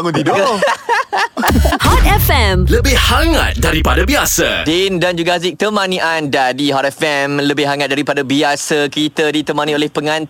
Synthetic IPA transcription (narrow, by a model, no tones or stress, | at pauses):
ŋunt̪ido | hɔtɛfɛ̃mləbɪhhaŋa̰t̪̚daɾipadabiasa̰dindand͡ʒuɡazik̚t̪əmãnĩʔandadiɦɔt̪ɛfɛmləbɪhɦaŋat̪̚daɾipadabiasəkɾit̪ədit̪əmãnĩolɛhpəŋãn